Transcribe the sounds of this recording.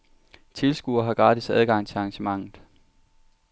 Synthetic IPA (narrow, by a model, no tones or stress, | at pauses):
t͡sʰe̝lsɡ̥uɐɦɑ̈ɡ̥ʁɑ̈ːd̥isæð̞ˠɡ̥ɑ̈ŋ̰t͡sʰe̝lɑ̈ŋɕəmɑ̈ŋ̰ð̩ˠ